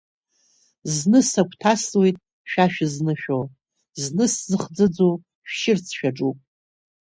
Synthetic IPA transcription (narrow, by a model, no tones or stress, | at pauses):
znɨsakʷʰʼtʰaswe̞jtʼ | ʃᶣaʃᶣɪznɨʃᶣo | znɨszɨχd͡zɨd͡zo | ʃᶣʃɪrt͡sʰʃᶣaʈ͡ʂʼupʼ